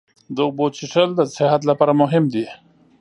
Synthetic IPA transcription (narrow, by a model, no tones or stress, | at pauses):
d̪əbot͡ʃiʈəld̪əsɪɦat̪̬lapɑːɾamʊɦɪmd̪i